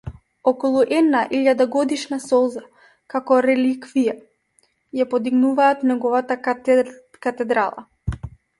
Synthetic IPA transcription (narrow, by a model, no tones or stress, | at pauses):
ɔkɔlˠuʔɛd̪naʔiʎad̪aɡɔd̪iʃnasɔlˠza | kakɔɾɛlikvija | japɔd̪iɡnuvaːt̪nɛɡɔvat̪a | kat̪ɛd̪ɾalˠa̰